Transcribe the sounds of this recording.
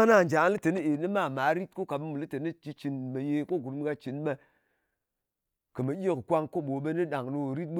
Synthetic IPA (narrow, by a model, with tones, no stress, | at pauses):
na˦˨n˨d͡ʒa˨˦li˦te˨ni˦e˨ni˦ma˦˨ma˨˦ɾi˦t̚ku˦ka˨ɓe˧˦mu˨li˦te˨ni˦t͡ʃi˧˦t͡ʃi˨nme˨je˧ko˦˨ɡu˨ɾm˦ka˧t͡ʃi˨nɓe˧ | kɨ˨me˨jʲe˦kɨ˨kʷa˧ŋko˦ɓo˨˦ɓe˦nɨ˦ɗa˨ŋno˧˨ɾi˦t̚ɓu˦